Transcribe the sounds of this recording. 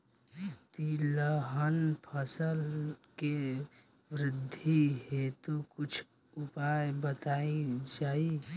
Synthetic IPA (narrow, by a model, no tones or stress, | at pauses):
t̪iləɦənpʰəsəlke | ʋɾɪd̪ʱːiɦet̪okʊt͡ʃʰ | ʊpaebət̪aid͡ʒaːi